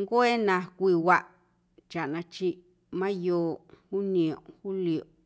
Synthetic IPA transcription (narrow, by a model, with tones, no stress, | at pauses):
ŋɡo˦e˦nã˧kʷi˧wa˧ʔ | t͡ʃa˨ʔnã˧t͡ʃi˧ | mã˦joː˧hu˦nĩ˧˨õ˨hu˦li˨o˨